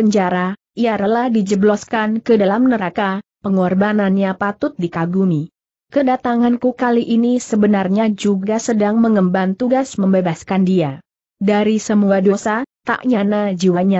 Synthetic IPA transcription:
əɲd͡ʒaɾa | iaɾəlahdid͡ʒəblɔskankədalamnəɾakapəŋɔrbananɲapat̪ʊt̪̚dikaɡumi | kədat̪aŋankukaliʔinisəbənarɲad͡ʒuɡasədaŋməŋəmbant̪uɡasməmbebaskandia | daɾisəmuadosat̪a̰ʔɲanad͡ʒiwaɲa

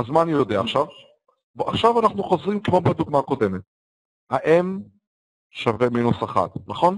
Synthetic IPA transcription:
azmaːnijod̪eaːχʃav | bʔaχʃavanaχnuχo̞zʁimkmobad̪uɡmaːko̞de̞met̪̚ | haʔem | ʃaveminusaχa̰t̪nɐχo̞n

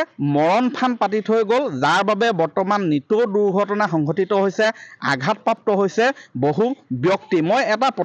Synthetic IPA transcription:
mɔɹɔnpʰanpat̬itʰojɡolzaɹbabɛbɔɹtɔmanːituduɹɡʱɔtɔnaxɔŋɡotitɔɦojsɛa̰ɡʱat̚pɹap̚tɔɦojsɛboɦubjɔktimojɛtapɔ

